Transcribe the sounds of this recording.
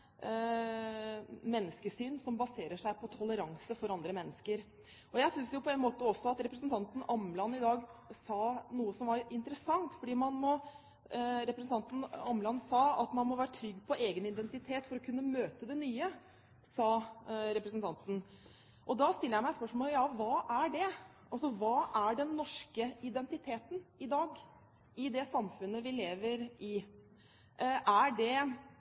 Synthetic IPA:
mɛnːəskəsyːnsɔmbɑseːɾəʂæɪpʰɔt̪ʰɔləɾɑŋsəfɔɾɑnd̪ɾəmɛnːəskəɾ | ɔjæɪsʏnsjʊpʰɔɛnmoːt̪əɔsːɔɑt̪ɾɛpɾəs̬n̩t̪ʰɑnt̪n̩ʔɑmlɑnɪd̪ɑːɡsɑːnuːəsɔmʋɑɾɪnt̪əɾəsɑŋt̪fɔɖiːmɑnmɔ | ɾɛpɾsn̩t̪ɑnt̪n̩ɑmlɑnsɑːɑt̪mɑnmɔʋæːɾət̪ʰɾʏɡːpʰɔeːɡənɪd̪ɛnt̪ɪt̪ʰeːt̪fɔɾɔkʰʉnːəmøːt̪əd̪ɛnyːə | sɑːɾɛpɾəsnt̪ʰɑnt̪n̩ | ʔɔd̪ɑst̪ɪlːəjæɪmæɪspœʂmoːləjɑːʋɑːʔæɖɛʔɑlsɔʋɑːʔæɖɛnːɔʂkəɪd̪ɛnt̪ɪt̪ʰeːt̪nɪd̪ɑːɡ | ɪd̪ɛsɑmfʉnːəʋɪleːʋəɾɪ | ʔæɖɛ

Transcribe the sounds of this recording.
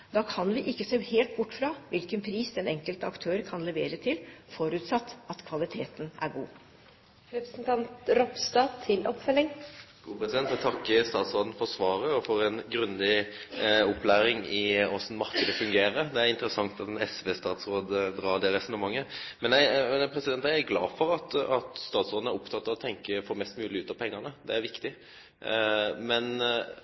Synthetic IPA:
d̪ɑːkʰɑnʋɪʔɪkːəseːheːlt̪̚bʊʈːfɾɑʋɪlkənpʰɾiːsd̪ɛnɛŋkəlt̪əɑkt̪ʰøːɾkʰɑnlɛʋeːɾət̪ʰɪlfɔɾʉːt̪sɑt̪ːɑt̪kʰʋɑlɪt̪ʰeːt̪ənʔæ̰ɾɡuː | ɾɛpɾəsnt̪ʰɑnt̪ɾɔpst̪ɑːt̪ʰːɪlʔɔpfœlːɪŋɡ̥uːpɾɛsɪd̪ɛnt̪ɛt̪ʰɑkːəst̪ɑːt̪sʁoːd̪n̩fɔʁsʋɑːɾəɔfɔɾɛnɡɾʉnd̪ɪ | ɔplæːɾɪŋɪɔsnmɑɾkəd̪əfʉŋɡeːɾəd̪ɛæɾɪnt̪əɾəsɑŋt̪ɑt̪nɛsʋeːst̪ɑːt̪sɾoːd̪əd̪ɾɑːd̪ɛɾɛst̪n̩əmɑŋːəmɛnæɪmɛnpʰɾɛsɪd̪ɛnt̪æɪæɡlɑ̰ːfɔɾɑt̪ɑt̪st̪ɑːt̪sʁoːd̪n̩æɾʊpt̪ʰɑt̪ːɑʋɔt̪ʰɛŋkəfɔɾmɛst̪mʉːlɪʉːt̪ɑpʰɛŋːɑnəd̪ɛæɾʋɪkt̪ɪ | mɛn

